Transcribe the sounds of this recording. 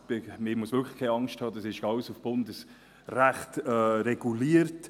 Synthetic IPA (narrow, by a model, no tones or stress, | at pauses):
b̥ɪmɪmuəsʋ̥ʏɾkʰlə̥χkʰːeɑŋʃthɑːd̪ɑsɪʃɡɑwəsufb̥ʊndəs | ræχtɛɾɛɡ̥uliːəɾt